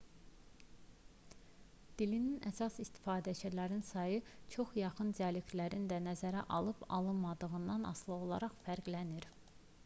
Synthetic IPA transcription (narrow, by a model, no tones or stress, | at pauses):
d̪̥ilininʔæsɑsist̪i̥fɑːd̪æt͡ʃʰælæɾinsɑjɯt͡ʃʰo̞χjɑχɯnd͡ʒælikʰlæɾind̪ænæzæɾæ̰ʔɑlˠɯpɑ̰lˠɯnmɑd̪ɯʁɯnd̪ɑnɑ̰slˠɯo̞lˠɑ̰ɾɑχfæɾɡlæniɾ